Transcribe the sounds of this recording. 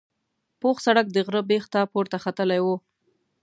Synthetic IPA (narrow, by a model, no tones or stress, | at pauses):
poxsaɽak̚d̪əɣɾəbext̪ɑpoɾt̪axat̪əlajwo